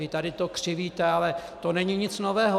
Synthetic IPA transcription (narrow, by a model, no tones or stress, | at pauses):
ɪt̪adɪt̪okr̝̥ɪviːt̪ɛalɛt̪onɛɲɪɲɪt͡snovɛːɦo